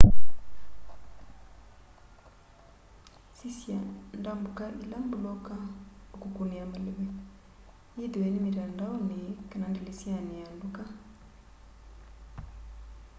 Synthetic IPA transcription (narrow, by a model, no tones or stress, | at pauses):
sisjandambukaʔilambulɔkaukukuniamaleβɛ | jidiwɛnimiɾandaɔnikanandilisjanianduka